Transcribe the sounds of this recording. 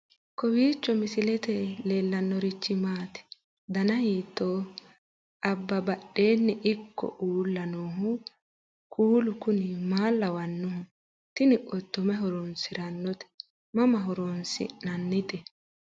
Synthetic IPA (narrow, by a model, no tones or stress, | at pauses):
kɔwiːt͡ʃːɔmɪsɪlɛt̪ɛleːlːɐnːɔɾɪt͡ʃːɪmaːt̪ɛ̥ | d̪ɐnɐhiːt̪ːoː | ʔɐbːɐbɐɗe̞ːnːɪʔɪkːɔ̰ʔuːlːɐnoːɦʊ | kʰuːlʊkʊnɪmaːlːɐwɐnːɔhʊ | t̪ɪnɪʔɔt̪ːɔmɛɦɔɾɔnsɪɾɐnːɔt̪ɛ̥ | mɐmɐɦɔɾɔnsɪ̰nɐnːɪt̪ʼɛ